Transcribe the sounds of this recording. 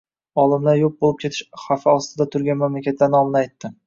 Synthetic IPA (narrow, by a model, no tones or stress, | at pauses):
ɒlˠɪmlaɾjop̚bolˠɪp̚kʲʰe̞t̪ʰɪ̥ʃχafɪɒst̪ɪd̪at̪ʰʊɾɡʲanmamlakʲat̪lanɒmɪnɪajt̪ʰːɪ